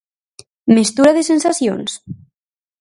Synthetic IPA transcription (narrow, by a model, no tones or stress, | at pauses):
mest̪uɾaðesensasjo̰ns